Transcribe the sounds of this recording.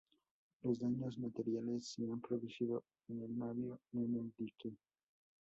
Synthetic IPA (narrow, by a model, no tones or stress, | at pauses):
lozd̪aɲozmat̪eɾjalesːeampɾoðusiðo | enelmaðjoneneld̪ike